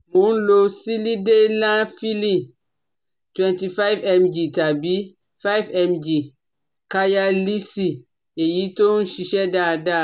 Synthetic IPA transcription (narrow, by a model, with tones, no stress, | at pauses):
mũ˨˦n˦lo˦si˦li˦de˦lã˦fi˦li˨ | twɛ̃˨nti˨fa˦jvɛ˦md͡ʒi˨ta˨bi˦ | fa˦jvɛ˦md͡ʒi˨ | ka˦ja˦li˦si˨ | e˨ji˦to˦n̩˦ʃi˧ʃɛ˦da˨da˦˨